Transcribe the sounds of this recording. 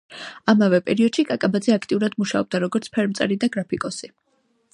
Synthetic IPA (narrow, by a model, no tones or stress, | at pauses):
amavɛpʼɛɾiɔd̪̥ʃikʼakʼabad̪zɛakʰt̪ʼiuɾad̪muʃaɔb̚d̪aɾɔɡɔɾt̪sʰpʰɛɾmt̪sʼɛɾid̪aɡɾapʰikʼɔsi